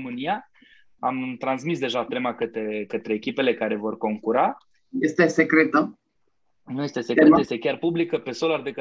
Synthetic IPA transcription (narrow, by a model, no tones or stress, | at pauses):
mɨnija | amt̪ɾansmisd̪e̞ʒat̪e̞makət̪ɾe̞kət̪ɾe̞ːkʲipe̞le̞kaɾe̞vo̞rko̞ŋkuɾa | jest̪esekɾet̪ə | nuje̞st̪e̞se̞ket̪əjest̪e̞kʲarpublikəpe̞so̞lard̪ekə